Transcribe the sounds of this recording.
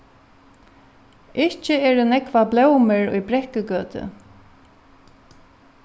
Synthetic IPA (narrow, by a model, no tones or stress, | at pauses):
ɪht͡ʃɪɛːɾʏnɛkʋablɛwmɪɹʊ̰jbɾɛhkɪkœːt̪ɪ̰